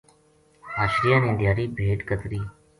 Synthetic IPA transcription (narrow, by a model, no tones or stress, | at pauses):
ɦaːʃɾijaːnĩnd̪ɪjaːɾiːbʱeːʈkət̪ɾiː